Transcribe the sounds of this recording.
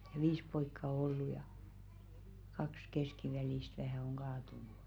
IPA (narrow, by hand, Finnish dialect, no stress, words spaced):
j̊ɑ̥ ʋiːs poikːɑ o olːu jɑ kɑks keskiʋæliˑst ʋæhæˑ oŋ ɡ̊ɑːtunu